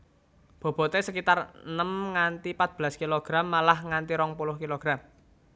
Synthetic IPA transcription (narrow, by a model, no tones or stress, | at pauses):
b̥o̤b̥ɔ̤t̪esəkit̪arənəmŋant̪ipat̪̚b̥əlaskiloɡ̥ɾamːalahŋant̪iɾɔŋpulʊhkiloɡ̥ɾam